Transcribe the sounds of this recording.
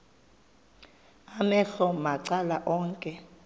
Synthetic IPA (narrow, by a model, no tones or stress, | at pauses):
amɛɬɔmaǀalaʔɔːŋkʼɛ